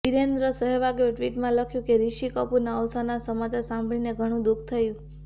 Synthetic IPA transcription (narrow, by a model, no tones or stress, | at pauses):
ʋiɾend̪ɾəsəɦɛʋaɡoʈʋiʈmãləkʰjũkeɾiʃikɔpunaəʋsanasəmat͡ʃasãmbɭineɡʱəɽ̃ũd̪uk̚ʰt̪ʰəjũ